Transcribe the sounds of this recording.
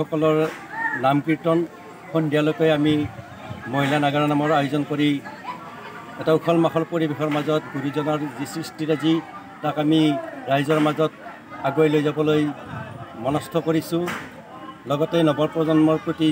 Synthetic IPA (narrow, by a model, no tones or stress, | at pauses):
ɔkɔlɔɹnamkiɹtɔn | kʰɔndijalokɔjami | mɔjlanaɡaɹanamɔɹajuzɔnkoɹi | ɛtaukʰɔlmaxɔɹpoɹibikʰɔɹmazɔtɡʱuɾizɔnɔɹzisɹistiɹazi | takamiɹajzɔɹmazɔt̚ | aɡojlojzabɔloj | mɔnɔstʰɔkoɹisʊ̃ | lɔɡɔtejnɔbɔɹpɹɔzɔnmɔɹpɹoti